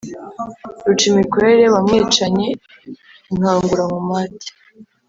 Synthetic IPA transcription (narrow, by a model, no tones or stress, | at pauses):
ɾut͡ʃimikwe̞ɾe̞βamŋeːt͡ʃaɲe̞ | iŋ̥haːŋɡuɾamumati̥